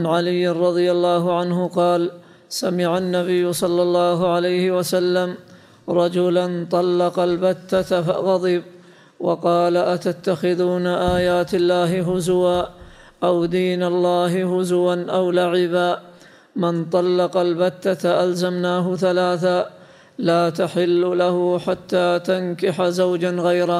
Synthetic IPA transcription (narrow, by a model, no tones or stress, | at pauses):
ʕanʕalɪjːɪnɾˤɑd̪ˤɨjalːɑːɦʊʕanɦʊqɑːl | samɪʕanːaβɪjːʊsˤɑlːɑlˤːɑːɦʊʕalajhɪwasalːam | ɾˤɑd͡ʒʊlant̪ˤɑlːɑqɑlbat̪ːat̪afa̰ɣɑd̪ˤɨb | wɑqɑːlaʔat̪at̪ːaxɪðuːnaʔaːjaːt̪alːaːɦɪɦʊzwaː | ʔawd̪iːnalːɑːhɪhʊzwanʔawlaʕɪbaː | mɪnt̪ˤɑlːɑqɑlbat̪ːat̪aʔalzamnaːɦʊθalaːθaː | laːt̪aħɪlːʊlahʊħat̪ːaːt̪ankɪħazawd͡ʒanɣajɾa